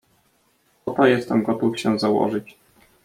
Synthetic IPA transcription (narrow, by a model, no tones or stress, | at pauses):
ɔt̪ɔjɛst̪ɛmɡɔt̪ufɕɛzawɔ̰ʐɘt͡ɕ